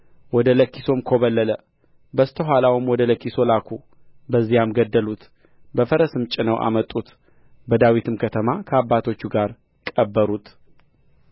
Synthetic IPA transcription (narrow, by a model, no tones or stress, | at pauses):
wɔd̪ələkːiso̞mkʰo̞βəlːələ | bəst̪ʰəɦʷalawumwɔd̪ələkːiso̞lakʰu | bəzːijamɡəd̪ːəlut̪ | bəfəɾəsɨmt͡ʃʼɪnəwʔa̰mət̪ʼːut̪ | bəd̪awit̪ʰɨmkʰət̪ʰəmakʰəabːat̪ʰo̞t͡ʃːuɡaɾ | kʼəbːəɾut̪ʰ